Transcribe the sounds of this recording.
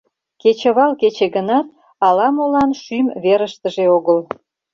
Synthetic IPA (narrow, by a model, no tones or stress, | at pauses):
ket͡ɕə̆βɑlket͡ɕeɣənɑt̪̚ | ɑlɑmolɑnʃymβeɾəʃt̪əʒeoɣəl